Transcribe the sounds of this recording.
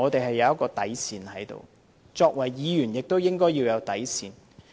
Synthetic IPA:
ɔː˨˧t̪e˨jɦɐ˨jːɐ˨˧wjɐ˥t̚kːɔː˧t̪ɐ˨˥jsiː˨˧nhɐ˨˥jt̪o̰˨w | t͡ʃɔː˧k̚wɐ˨˩jjiː˨˧jyː˨˩njɪ˨k̚t̪o˥wjɪ˥ŋkɔː˥jiː˧wjɐ˨˧wt̪ɐ˨˥jsiː˨˧n

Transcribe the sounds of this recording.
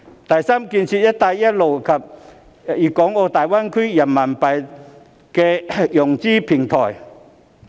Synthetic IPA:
t̪ɐ˨˩jsaː˥mki˧nsʰi˧t̚jɐ˦˥t̚t̪aː˧jjɐ˦˥t̚lo˨˩wkʰa˧˩p̚ | jiː˨˩kɔː˨˥ŋoː˧t̪aː˨˩jwaː˥nkʰy˥ja˨˩mma˨˩npɐ˨˩j | kɛː˧jɔ˨˩ŋt͡siː˥˩pʰi˨˩ŋt̪ʰɔː˨˩j

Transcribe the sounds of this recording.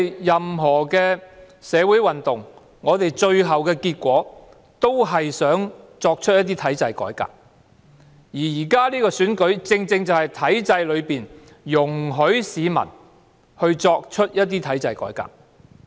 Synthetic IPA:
jɐ˨mɦɔː˨˩kɛː˧ | sɛː˨˧wuː˨˥jwɐ˨nt̪ʊ˨ŋ | ŋɔː˨˧t̪e˨jt͡ʃɵ˧ɥɦɐ˨wkɛː˧kiː˧t̚kʷɔː˨˥ | t̪o˥wɦɐ˨jsœː˨˥ŋt͡sɔː˧k̚t͡ʃʰɵ˥t̚jɐ˥t̪̬iː˥t̪ʰɐ˨˥jt͡sɐ˧jkɔ̰ː˨˥jka̰ː˧k̚ | jiː˨˩jiː˨˩kaː˥liː˥kɔː˧syː˨˥nkɵ˨˥ɥt͡sɪ˧ŋt͡sɪ˧ŋt͡sɐ˨whɐ˨jt̪ʰɐ˨˥jt͡sɐ˧jlɵ˨˧ɥpiː˨n | jʊ˨˩ŋɦɵ˨˥ɥsiː˨˧mɐ̰˨˩n | hɵ˧ɥt͡sɔː˧k̚t͡ʃʰɵ˥t̚jɐ˥t̚t̪̬iː˥t̪ʰɐ˨˥jt͡sɐ˧jkɔ̰ː˨˥jka̰ː˧˩k̚

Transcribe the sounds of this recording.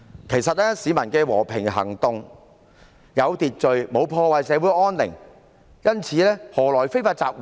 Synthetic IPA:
kʰe˨˩jsɐ˨t̚lɛː˥siː˨˥mɐ˨˩nkɛː˧wɔ̰ː˨˩pʰɪ˨˩ŋɦɐ̰˨˩ŋt̪ʊ˨ŋ | jɐ˨˧wt̪iː˨t̚t͡ʃɵ˨ɥmo˨˧wpʰɔː˧waː˨jsɛː˨˧wuː˨˥jʔɔː˥nlɪ̰˨˩ŋ | jɐ˥nt͡sʰiː˨˧lɛː˥hɔː˨˩lɔː˨˩jfe˥jfaː˧t̚t͡saː˧k̚wu˨

